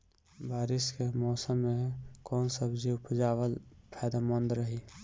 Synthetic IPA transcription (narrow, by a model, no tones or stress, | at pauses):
baːɾɪskemɔːsəmːekɔːnsəbd͡ʒiʊpd͡ʒaːʋəlpʰaːd̪amɔnd̪ɾəɦi